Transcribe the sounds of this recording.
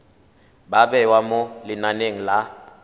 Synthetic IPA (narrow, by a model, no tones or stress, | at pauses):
baɓɛwamɔlɪnaneŋ̩la